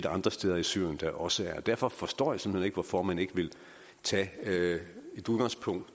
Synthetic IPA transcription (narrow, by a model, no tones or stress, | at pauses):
d̥əɑ̈nd̥ʁɐsd̥eðˠɐisy̰ɐjənd̥ɑ̈ʔɒ̽səæɐɒd̥æɐ̰fɒ̽fɒ̽sd̥ɒ̰ːjasm̩hel̰̩e̝ɡ̥ʋɒfɒmæne̝ɡ̥əʋe̝l | t͡sʰɛ̰ː | e̝d̥uð̞ˠɡ̥ɑ̈ŋspʰɔ̽ŋ̰d̥